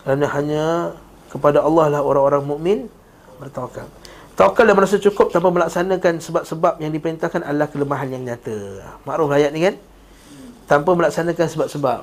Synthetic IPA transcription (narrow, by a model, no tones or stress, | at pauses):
kəɾanəhaɲa | kəpadaɑlːɑhlahoɾaŋoɾaŋmuʔmɪn | bərt̪aka̰l | t̪akaldaməɾasat͡ʃukʊp̚t̪ampaməlaksanakansəbap̚səbap̚jaŋdipəɾint̪ahkanʔadlahkələmaɦanjaŋɲat̪əmaʔɾʊflajat̪̚nikan | t̪ampəməlaksanakansəbap̚səbap̚